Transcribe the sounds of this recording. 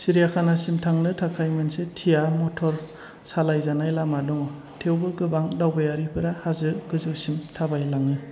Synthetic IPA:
siɾijakʰanasimtʰaŋnɯtʰakʰajmɯnsetʰijamɔtʰɔɾ | salajzanajlamadɔŋɔ | tʰewbɯɡɯbaŋdawbajaɾipʰɯɾahazɯɡɯzɯwsimtʰabajlaŋɯ

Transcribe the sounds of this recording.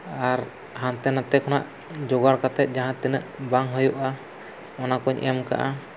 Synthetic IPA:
aɾ | hant̪ɛnat̪ɛkʰɔna̰ʔ | d͡ʒɔɡaɽkat̪ɛt̪̚d͡ʒaɦãt̪ɛnəʔbaŋɦəjuʔa | ɔnakɔɲʔḭɛmka̰ʔa

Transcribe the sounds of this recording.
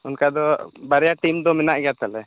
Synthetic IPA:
unkad̪ɔbaɾɛjaʈimd̪ɔmɛnaʔɡɛjat̪alɛ

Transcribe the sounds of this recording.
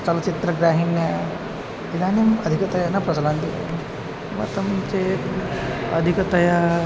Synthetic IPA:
t͡ʃɐlɐt͡ʃit̪ɾəɡɾaːɦinjɐ | id̪aːnɐmɐd̪ʱikət̪ɐjanapɾɐt͡sɐlãnt̪ia̰ | ʋɐ̰t̪ɐmt͡ʃe | ɐd̪ʱikt̪ɐja

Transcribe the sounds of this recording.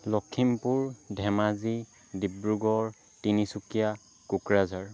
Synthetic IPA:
lɔkʰːimpuɹdʱɛmazi | dibɹuɡɔɹ | tinisukija | kukɹazaɹ

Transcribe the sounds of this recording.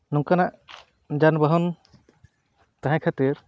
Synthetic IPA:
nuŋkanaʔ | d͡ʒanbəɦɔn | t̪aɦɛ̃kʰat̪iɾ

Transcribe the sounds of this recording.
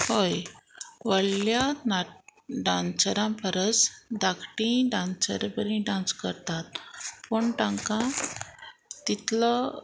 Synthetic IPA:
hojʋəɭljanaɖãnsəɾãpʰəɾəsd̪akʈĩɖãnsə̰ɾbəɾĩɖãnskəɾt̪at̪̚pəɳʈãŋkã | t̪it̪lə

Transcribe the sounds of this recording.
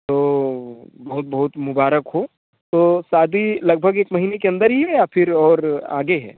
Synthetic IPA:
t̪oː | bɐɦʊt̪̚bɐɦʊt̪mʊbaːɾəkɦo | t̪oːsaːd̪ʱilɐɡ̚bʱəɡeːkmɐɦiːnekeɐ̃nd̪əɾɦiɦɛjafʰɪɾɔːɾa̰ːɡeɦɛ̰ː

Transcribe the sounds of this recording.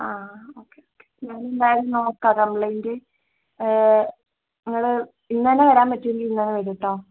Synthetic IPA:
aːoːkːeoːkːe̥ɲaːnend̪aːjɐɾunoːkːakɐmɭɐjinde | niŋːɐɭɨ | inːɐneʋɐɾaːmpɐtːueŋɡilinːɐneʋɐɾiʈːoː

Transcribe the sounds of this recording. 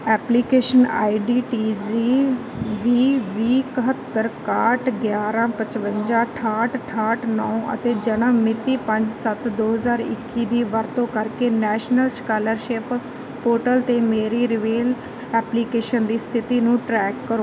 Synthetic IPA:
ɛːpliːkeːʃəna̰ːiɖiːʈiːd͡ʒiː | ʋiːʋiːkəɦət̪ːəɾkaːʈʰɡjaːɾãːpət͡ʃʋəɲd͡ʒãːʈʰaːʈʈʰaːʈʰnɔ̃ːʔə̰t̪eːd͡ʒənãmɪt̪iːpəɲd͡ʒsət̪d̪oːɦəzaːɾɪ̰kːiːd̪iːʋəɾt̪õːkəɾkeːnɛːʃnəlskaːləɾʃɪːp | poːʈəlt̪eːmeːɾiːɾɪʋeːl | ɛːpliːkeːʃənd̪iːst̪ʰɪt̪iːnũːʈɾɛːkːəɾoː

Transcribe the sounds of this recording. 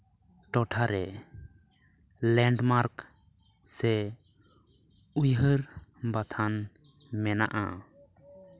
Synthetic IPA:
ʈɔʈʰaɾɛ | lɛɳɖmaɾk | sɛ | ujɦəɾbat̪ʰan | mɛna̰ʔa̰

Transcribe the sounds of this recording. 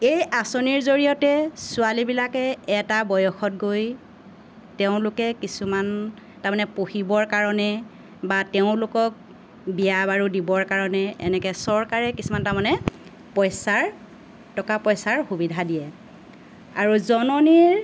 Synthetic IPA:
ejʔasoniɹzoɹijɔtɛsʊalibilakɛːtabɔjɔxɔt̚ɡoj | teʊ̃lʊkɛkisuman | taɹmanɛpohibɔɹkaɹɔnɛ | bateʊ̃lʊkɔk̚ | bijabaɹudibɔɹkaɹɔnɛɛ̰nɛkɛsɔɹkaɹɛkisumantamanɛ | pɔjsaɹ | tɔkapɔjsaɹxubidʱadijɛ | aɹuzɔnɔniɹ

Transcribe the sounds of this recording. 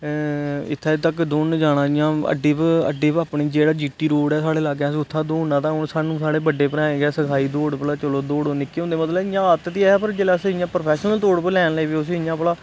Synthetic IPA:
ɪ̰t̪ʰːaːt̪əkd̪oːnd͡ʒaːɽãːɪjãːə̰ɖiːpə̰ɖiːpaːpɳiːd͡ʒeːɽaːd͡ʒiːʈiːɾoːɽɛːsaːɽeːlaɡɛ̃ːsːʊt̪ʰːaːd̪oːnãːt̪ãːɦʊɳsaːnũːsaːɽeːbəɖːeːpəɾɛ̃ːɡɛːsəkʰaːiːd̪oːɽpəlaːt͡ʃəloːd̪oːɽoːnɪkːeːɦõnd̪eːmət̪ləbɪjãːət̪t̪iːɛːpəɾd͡ʒeːlasɪjãːpəɾəpʰɛːʃnəlt̪oːɽpəlɛːnləiːʋeːʊs̬iːɪjãːpəlaː

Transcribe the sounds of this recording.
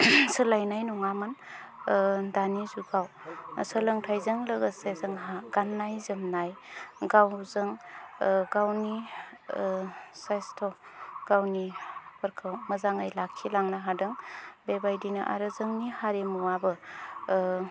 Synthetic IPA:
səlajnajnɔŋaman | danizuɡaw | səlɯŋtʰajzɯŋləɡəsezɯŋɦaɡ̥anːajzɯmnajɡawzɯŋ | ɡawni | sajstʰɔɡ̥awnibɐɾkʰawmɐzaŋajlakʰːilaŋnaɦadɯŋbebajdinaʔa̰ɾɯzəŋnihaɾemuabɯ

